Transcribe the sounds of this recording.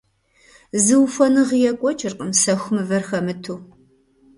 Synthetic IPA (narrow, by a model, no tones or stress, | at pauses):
zɨwfɔnɨʁjɛkʷʼɔt͡ʃʼɪrqʼəmsɐxʷʊmɨvɐrxɐmɨtʰuː